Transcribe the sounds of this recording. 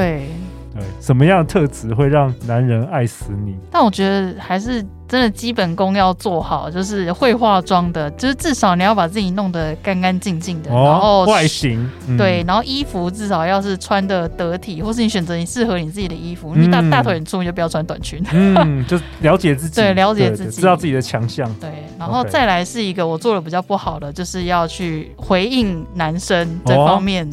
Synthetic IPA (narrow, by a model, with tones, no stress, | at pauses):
t̪we˥˩ɪ | t̪we˥˩ɪʂə˨˩nmə˦jɑ˥˩ŋd̪ə˩t̪ʰɤ˥˧t͡sɹ̩˧˦xwe˥˧ɪɻɑ˥˩ŋna˧˦nɻə˧˦˥na˥˩ɪsɹ̩˧˦ni˨˩˦t̪a˥˩nwɔ˨˩t͡ɕɥɛ˧˥d̪ə˧xa˧˥ɪʂɻ̩˥˩ | ʈ͡ʂə˦˥nd̪ə˨t͡ɕi˦˥pə˨˩nkʊ˥ŋjɑ˥˧ʊt͡swɔ˥˩xɑ˨˩˦ʊt͡ɕjo˥˧ʊʂ̬ɻ̩˥˧xwe˥˧ɪxwa˥˧ʈ͡ʂwɑ˥ŋd̪ə˨t͡ɕjo˥˧ʊʂɻ̩˥˩t͡sɻ̩˥˩ʂɑ˨˦ʊni˨˩jɑ˥˩ʊpa˨˩t͡sɹ̩˥˩t͡ɕi˨˩nʊ˥˩ŋd̪ə˩ka˥nka˦˥nt͡ɕi˥˧ŋt͡ɕi˥˩ŋd̪ə˩˨˧a˨˦nxo˥˧ʊwa˥˩ɪɕi˧˥ŋt̪we˥˩ɪna˧˥nxo˥˩ʊʔi˥fu˧˥t͡sɻ̩˥˩ʂɑ˨˩ʊjɑ˥˧ʊʂɻ̩˥˩t͡sʰwa˥nd̪ə˨t̪ə˧˦˥t̪ʰi˨˩xwɔ˥˧ʂ̬̩˥˩ni˧˥ɕɥɛ˨˩nt͡sɤ˧˥ni˨˩ʂɻ̩˥˩xɤ˧˦ni˨˩t͡sɹ̩˥˩t͡ɕi˨˩d̪ə˩i˦˥fu˧˥˧t̪a˥˧t̪ʰwə˨˩nʈ͡ʂʰu˥˧˨o˥˩pi˨˩jʰa˥nt̪wa̰˨˩nt͡ɕʰy˧˥n̩˥˩t͡ɕjo˥˧ʊljɑ˧˥ʊt͡ɕjɛ˨˩t͡sɹ̩˥˩t͡ɕt̪we˥˩ɪljɑ˧˥ʊt͡ɕjɛ˨˩t͡sɹ̩˥˩t͡ɕi˨˧˥ɑ˥˧ʊt͡s̩˥˩t͡ɕi˨˩də˧t͡ɕʰjɑ˧˦ŋɕjɑ˥˨ŋt̪we˥˩ɪna˧˥nxo˥˧ʊt͡sa˥˩ɪla˧˥ɪʂɻ̩˥˩i˧˥ɡə˨wɔ˨˩t͡swɔ˥˩lə˩pi˨˩t͡ɕjɑ˥˧ʊpu˥˩xɑ˨˩ʊd̪ə˦t͡ɕjo˥˧ʊʂɻ̩˥˧jɑ˥˧ʊt͡ɕʰy˥˩ | xwe˧˥ɪi˥˩ŋna˧˦nʂə˦ŋt͡sə˥˩fɑ˦ŋmjɛ˥˩n